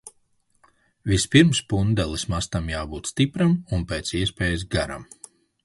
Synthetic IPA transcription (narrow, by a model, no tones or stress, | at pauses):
vispiɾmspund̪ɛlˠismast̪amjaːbuːt̪st̪ipɾamunpeːt̪siɛspʲeːjzɡaɾa̰m